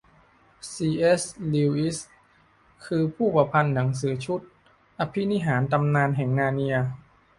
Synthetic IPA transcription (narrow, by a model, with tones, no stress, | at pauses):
siː˧ʔe˦˥sliː˧wʔi˦˥s | kʰɯː˧pʰuː˥˩pa˧pʰa˧nːa˩˦ŋs̬ɯː˩˦t͡ɕʰu˦˥t̪̚ | ʔa˧pʰi˦˥ni˦˥ɦaː˩˦nt̪a˧mnaː˧nɦɛː˨˩ŋnaː˧ni˧ɐ